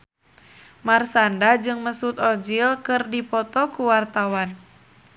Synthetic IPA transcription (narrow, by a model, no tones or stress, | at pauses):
marsandad͡ʒɨŋməsut̪ɔd͡ʒilkɨrdipɔt̪ɔkuwart̪awan